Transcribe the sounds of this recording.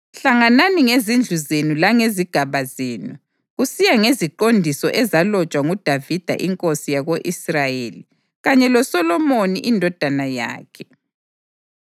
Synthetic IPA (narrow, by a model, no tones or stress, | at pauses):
ɬaŋananiŋezind͡ɮʱuzenulaŋeziɡ̥ʱaβazeːnu | ɣusijaŋeziǃondʱisɔʔɛzalɔt͡ʃʼwaŋud̥ʱavid̥ʱa̰ʔiŋkʼosijaɣoʔisrajeli | ɣaɲɛlɔsɔlɔmoniʔindʱɔd̥ʱanaja̰ːkʰɛ